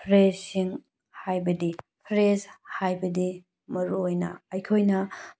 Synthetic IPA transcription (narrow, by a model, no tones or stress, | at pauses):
pʰɾezsiŋ | hajbɐdipʰɾezhajbɐdi | mɐɾuojnɐ̰ːjkʰojnɐ